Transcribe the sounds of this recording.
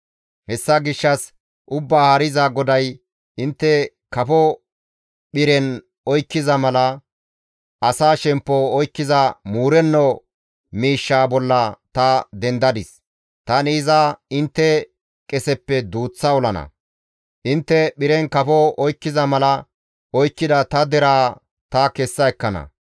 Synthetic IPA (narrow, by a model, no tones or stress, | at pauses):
hɛsːɐɡɪʃːɐs | ʔʊbːaːhɐɾɪzaɡɔd̪ɐj | ʔɪnt̪ːɛ | kɐfɔ | ɓɪɾɛn | ɔjkːɪzɐmɐlɐ | ʔɐsaːʃɛmpːɔɔjkːɪzɐmuːɾɛnːɔ | miːʃːaːbɔlːɐt̪ɐd̪ɛnd̪ɐd̪ɪs | t̪ɐnɪɪzaɪnt̪ːɛ | kʼɛsɛpːɛd̪uːt͡sːɐɔlɐnɐ̰ | ʔɪnt̪ːɛɓɪɾɛnkɐfɔɔjkːɪzɐmɐlɐ | ʔɔjkːɪd̪ɐt̪ɐd̪ɛɾaː | t̪ɐkɛsːɐɛkːɐnɐ̰